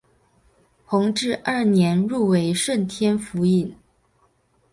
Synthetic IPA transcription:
xʊ˧˥ŋʈ͡ʂɻ̩˥˧ʔɐ˞˥˩njɛ˧˥nɻu˥˩we˧˥ɪʂwə˥˩nt̪ʰjɛ˥nfu˧˥i˥˩n

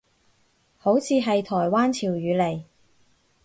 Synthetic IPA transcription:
ho˨˥wt͡sʰiː˨˧ɦɐ˨jt̪ʰɔː˨˩jwaː˥nt͡sʰiː˨˩wjyː˨˧le˨˩j

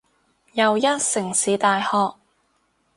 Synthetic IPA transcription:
jɐ˨wjɐ˥t̚sɪ˨˩ŋsiː˨˧t̪aː˨˧jhɔː˧k̚

